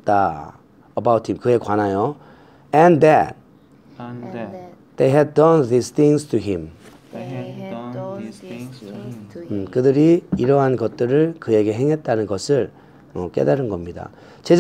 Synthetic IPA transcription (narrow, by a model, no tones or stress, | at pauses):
t͈a | əbawt̚himkɯe̞kwanajo | ɛ̃nd̪ɛt̚ | d̪̥ejɦɛd̚dʌnd̪ist̪ʰĩŋstʰuɦĩm | kɯdɯɾiiɾʌɦanɡʌt̚t͈ɯɾɯɭkɯje̞ɡe̞ɦeŋɦe̞t̚t͈anɯnɡʌsʰɯɭ | mʌk͈e̞̰daɾɯnɡʌmɲida̰ | t͡ɕed͡ʑ